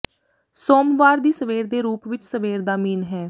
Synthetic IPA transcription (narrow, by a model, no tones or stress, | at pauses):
soːmʋaːɾd̪iːsəʋeːɾd̪eːɾuːpʋɪt͡ʃsəʋeːɾd̪aːmiːnɦɛː